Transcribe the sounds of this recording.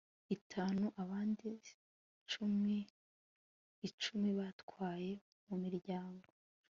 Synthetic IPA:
itʰaːnuʔaβaːndi | t͡ʃumi | t͡ʃumiβatwwaːje̞ | mumiɾɟaːŋɡoo

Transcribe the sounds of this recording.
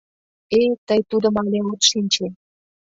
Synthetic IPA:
et̪əjt̪ud̪ə̆mɑlʲeot̪ʃinʲt͡ɕe

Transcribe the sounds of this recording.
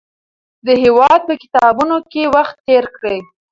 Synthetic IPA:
d̪əhewɑd̪̚pəkɪ̥t̪ɑbunokewaxt̪ːeɾkɽəj

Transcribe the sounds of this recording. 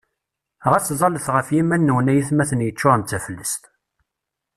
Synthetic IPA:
ʁæt͡sːzˤɑləθʁəfjimænːəwənæjiθmæθənjət͡ʃːʊʁənt̪t͡sːæfəlːəst̪

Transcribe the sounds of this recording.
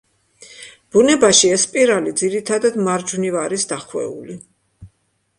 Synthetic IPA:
b̥unɛbaʃiɛspʼiɾalid̪ziɾit̪ʰad̪ad̪maɾd͡ʒvnivaɾisd̪aχwɛ̰ṵli

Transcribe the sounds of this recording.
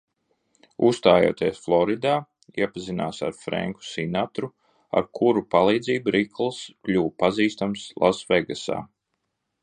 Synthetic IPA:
ust̪aːjṵt̪iɛsflˠɔɾid̪aː | iɛpazinaːsa̰ɾfɾɛ̰ŋku̥sinat̪ɾu | a̰ɾkʰuɾupalˠiːd̪ziːbuɾiklˠsklʲuːpaziːst̪amslˠasvɛɡasa̰ː

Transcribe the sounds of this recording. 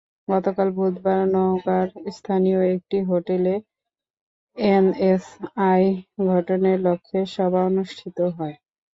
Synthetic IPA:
ɡɔt̪okalbʱud̪ʱbaɾnɔɦokaɾst̪ʰanioek̚ʈiɦoʈele | enesajɡʱɔʈoneɾlokʰːeʃɔbʱaonuʃʈʰit̪oɦɔe

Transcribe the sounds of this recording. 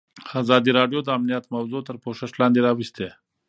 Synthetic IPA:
azɑd̪iɾɑɖjod̪əamnijat̪mawzot̪əɾpoʃəʃlɑ̃nd̪eɾɑwist̪e

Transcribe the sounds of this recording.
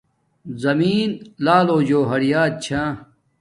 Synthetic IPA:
zɐmiːnlaːloːd͡ʑoːɦɐɽijaːt̪̚t͡ɕʰãː

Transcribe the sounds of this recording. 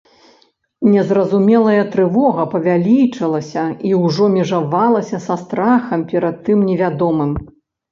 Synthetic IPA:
nʲɛzrɐzumʲɛlˠɐjɐt̪ɾɨvɔɣɐpɐvʲalʲit͡ʂɐlˠɐsʲɐiwʐɔmʲɛʐavalˠɐsʲɐsast̪ɾaxɐmpʲɛɾɐt̪ːɨmnʲɛvʲad̪ɔmɨm

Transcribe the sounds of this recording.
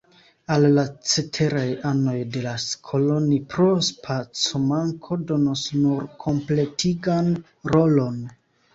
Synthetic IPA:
alːat͡se̞tʰe̞ɾajano̞jde̞laskʰo̞lo̞nipɾo̞spʰat͡somaŋkʰo̞do̞nosnuɾkʰo̞mple̞tʰiɡan | ɾo̞lo̞n

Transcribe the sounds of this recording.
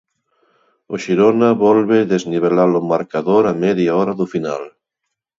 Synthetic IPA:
oʃiɾonaβɔlβeðezniβ̞elalomaɾkaðoɾamɛðjaɔɾaðufina̰l

